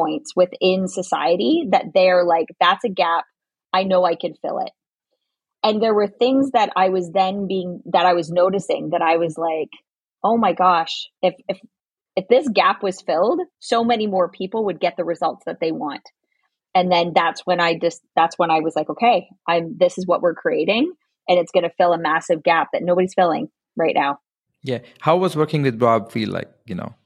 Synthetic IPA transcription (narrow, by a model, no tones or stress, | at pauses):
ɔ̃ɪ̃ntswɪðɪ̃nsɨsa̰ɪɨɾiðɨt̪̚ðeɪə˞laɪk̚ðætsɨɡæp̚ | aɪnoʊaɪkɨ̃d̥fɪ̰lˠɪ̰t̚ | ɨ̃nðə˞wə˞θɪ̃ŋzðɨɾa̰ɪwʌzðɨ̃nbiɪ̃ŋðɨɾaɪwʌznoʊɾɨsɪ̰̃ŋðɨɾaɪwʌzlaɪk | oʊmaɪɡɑʃɨfɨf | ɨfðɪsɡ̥æpwʌz̥fɪlˠd̥soʊmɛnimɔɹpʰipl̩ˠwɨd̚ɡɛt̪̚ðɨɹɨzʌlˠtsðɨt̪̚ðeɪwɑ̰̃nt | ɨ̃nðɨ̃nðætswə̃naɪd͡ʒʌs̚ðætswə̃ñaɪwʌz̥laɪkoʊkʰeɪ | ʔãɪ̃mðɪsɨzwʌ̰ʔwɪɹkʰɹ̥ieɪɾɪ̃ŋ | ʔɨ̃nɨtsɡ̥ʌnɨfɪlˠəmæsɨvɡæp̚ðɨtⁿnoʊbɨɾiz̥fɪlˠɪ̰̃ŋ | ɹaɪʔⁿnaʊ | jæ | haʊwʌzwɜ˞kɪ̃ŋtɨbɑb̥fila̰ɪk̚jɨno̰ʊ